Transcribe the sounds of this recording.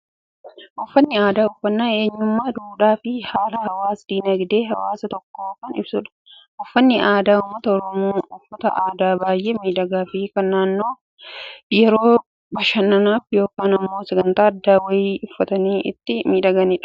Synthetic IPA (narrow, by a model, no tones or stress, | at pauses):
ʔɔfːɐnːɪaːd̪aːʊfːɐnːaːe̞ːɲːʊmːaːd̪uːᶑaːfɪhaːlɐhɐwaːsd̪̥iːnɐɡd̪e̞ːɦɐwaːsɐt̪ɔkːoːkɐnɪ̰bsʊᶑɐ̥ʔɔfːɐnːɪʔaːd̪aːʊmːɐt̪ɐɔɾɔmoːʊfːɐt̪ɐ̰ʔaːd̪aːbaːjʔeːmiːᶑɐɡaːfɪkɐnːaːnːoː | jɛɾo̞ː | bɐʃɐnːɐnaːfjo̞ːkaːnɐmːoːsɐɡɐnt̪aːɐd̪ːaːwɐjiːʊfːɐt̪ɐniːʔɪ̰t̪ːɪmiːᶑɐɡɐniːᶑɐ̥